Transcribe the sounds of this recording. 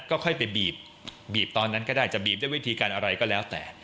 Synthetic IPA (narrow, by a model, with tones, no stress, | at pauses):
kɔː˥˩kʰɔ˥˩jpa˧jbiː˨˩p̚ | biː˨˩p̚t̪ɔː˧nːa˦˥nkɔː˥˩daː˥˩jt͡ɕa˨˩biː˨˩p̚da˥˩wi˦˥˩t̪ʰiː˧kaː˧nʔa˧ɾa˧jkɔː˥˩lɛː˦˥wt̪ɛ̰ː˨˩